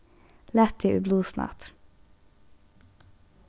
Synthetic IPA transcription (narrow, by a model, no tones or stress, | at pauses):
lɛt̪ʰiːʔʉbluːsnʔɑ̰t̪